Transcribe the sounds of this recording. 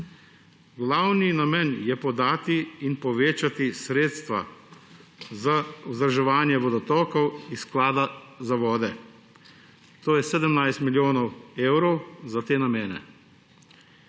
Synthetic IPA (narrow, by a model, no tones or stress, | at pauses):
ɡlawninamɛnjɛpɔd̪aːt̪iːnpɔʋeːt͡ʃat̪isɾeːt̪st̪ʋa̰ | zauzd̪ɾaʒɛʋaːnjɛʋɔd̪ɔt̪ɔkɔwisklaːd̪azaʋɔːd̪ɛ | t̪oːjɛsɛːd̪əmnajst̪miljoːnɔweːwɾɔwzat̪eːnameːnɛ̰